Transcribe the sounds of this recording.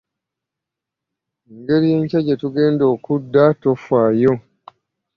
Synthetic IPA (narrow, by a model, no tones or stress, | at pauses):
eŋɡe̞ɾije̞ːɲcaɟetuɡe̞ːndo̞ːkudːato̞fwaːjo̞